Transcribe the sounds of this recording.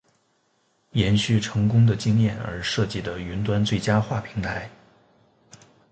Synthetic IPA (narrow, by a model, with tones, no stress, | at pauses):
jɛ˧˥nɕy˥˩ʈ͡ʂʰɤ˧˥ŋkʊ˥ŋd̪ə˨t͡ɕi˥ŋjɛ˥˩nə̰˞˧˥ʂɤ˥˧t͡ɕi˥˩d̪ə˩y˧˥nt̪wa˥nt͡swe˥˩ɪt͡ɕja˥xwa˥˩pʰi˧˥ŋt̪ʰa˧˥ɪ